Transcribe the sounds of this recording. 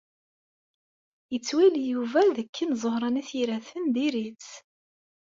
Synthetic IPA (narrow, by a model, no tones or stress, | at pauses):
jət͡sːwiljuvæðəkʰːinzˤohɾˤɑniθjiɾæθənd̪iɾit͡s